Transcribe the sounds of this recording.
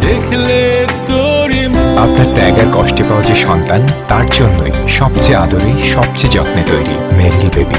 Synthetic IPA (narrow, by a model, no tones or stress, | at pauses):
d̪ekʰlet̪oɾiapnaɾʈaɡaɾkɔʃʈepaoad͡ʑeʃɔnt̪ant̪aɾd͡ʑonːojʃɔb̚t͡ɕead̪ʱoɾijʃɔb̚t͡ɕed͡ʑɔt̪nit̪ojɾḭmeɾlibḛbḭ